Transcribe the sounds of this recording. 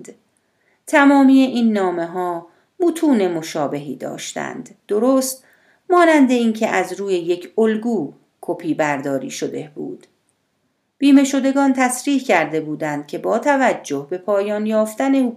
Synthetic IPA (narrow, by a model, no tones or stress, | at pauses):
t̪ʰæmɒːmije̞ʔiːnːɒːme̞ɦɒː | mut̪ʰuːne̞mo̞ʃɒːbe̞ɦḭːd̪ɒ̰ːʃt̪æ̰nd̪̥ːoɾoːst̪ | mɒːnænd̪e̞iːncʰe̞ʔæzɾuːje̞je̞cʰolɡuː | kʰo̞pʰiːbæɾd̪ɒːɾḭːʃo̞d̪e̞b̥ṵːd̪̥ | b̥iːme̞ʃo̞d̪e̞ɡɒːnt̪ʰæsɾiːhcʰæɾd̪e̞buːd̪ænd̪̥̚cʰe̞bɒːt̪ʰævæd͡ʒːo̞hbe̞pʰɒːjɒːnjɒːft̪æne̞u